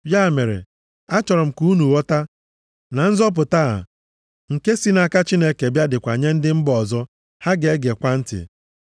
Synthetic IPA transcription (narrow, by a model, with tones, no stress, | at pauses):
bja˦˨me˨ɾḛ˨ | a˦t͡ʃɔ˨ɾɔ˨m̩˨ku˦nu˨wɔ˦ta˦ | na˨n̩˦zɔ˦p̬ʊ˨ta˦a̰˨ | ŋ̩˨ke˦si˦na˨ka˦t͡ʃi˦ne˦ke˨bja˦dɪ˨kʷa˨ɲe˦n̩˦dɪ˦m̩˦bɔ˨zɔ˦ | ha˦ɡe˨˦ɡe˨kʷa˦n̩˦tɪ̰˨